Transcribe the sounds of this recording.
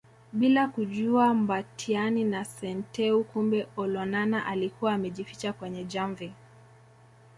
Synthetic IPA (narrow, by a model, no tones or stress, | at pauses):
ɓilakuʄuambatʰianinasɛntɛukumbɛɔlɔnanaʔalikuwaːmɛʄifi̥t͡ʃakwɛɲɛd͡ʒaɱvi